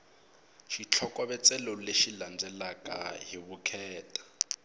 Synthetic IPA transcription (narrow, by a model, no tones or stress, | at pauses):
ʃit͡ɬʰɔkwaβɛt͡sɛloleʃiland͡zɛlakʼaɦiβukʰɛːtʼḁ